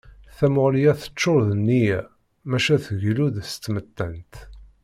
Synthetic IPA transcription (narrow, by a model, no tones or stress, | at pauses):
θæmʊʁlijæθə̥t͡ʃːoɾðənːi | mæʃæθəʝluðəst̪mət̪ːənt̪